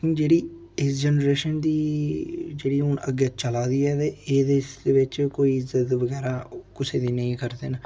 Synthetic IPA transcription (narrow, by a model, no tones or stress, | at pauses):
d͡ʒeːɽiː | ɪsd͡ʒɛːnɾeːʃənd̪iː | d͡ʒeːɽiːɦʊnə̰ɡeːt͡ʃəlaːd̪iːɛːt̪eːeːd̪eːsd̪eːʋɪt͡ʃkoːiːɪzət̪ʋəɡɛːɾaːkʊseːd̪iːnəĩːkəɾd̪eːna